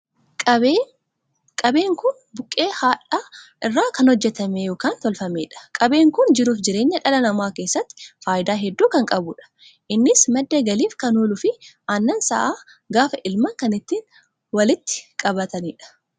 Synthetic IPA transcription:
kʼɐbeːŋkʊn | bʊkʼːeːhaːᶑaːʔɪrːaːkɐnhɔd͡ʒːɛt̪ɐmeːjɔːkaːnt̪ɔlfɐmeːᶑɐ̥kʼɐbe̞ːŋkʊnd͡ʒɪɾuːfd͡ʒɪɾeːɲːɐᶑɐlɐnɐmaːke̞ːsːɐt̪ːɪ̥faːjɪd̪aːɦɛd̪ːuːkɐŋkʼɐbʊːᶑɐ̥ | ʔɪnːɪsmɐd̪ːeɡɐliːfkɐnuːlʊfɪ | anːɐnsɐ̰ʔaː | ɡaːfɐʔɪlmɐŋkɐnɪt̪ːiːn | wɐlɪt̪ːɪ̥kʼɐbɐt̪ɐniːᶑɐ̥

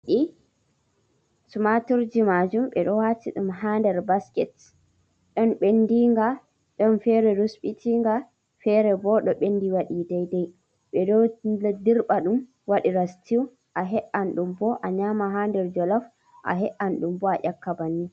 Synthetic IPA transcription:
ɗi | sumatuɾd͡ʒimad͡ʒumɓɛ̰ɗɔwatiɗumɦandɛɾbaskɛt | ɗɔnɓendiŋɡa | ɗɔnfɛɾɛɾusɓitʰiŋɡa | fɛɾɛbɔɗɔɓendiwaɗidɛjdɛj | ɓɛdɔdiɾɓaɗum | waɗiɾastʰiw | ʔaɦɛʔanɗumbɔʔaɲamaɦandɛɾd͡ʒɔlaf | ʔa̰ɦɛʔanɗumbɔaʔakːabani

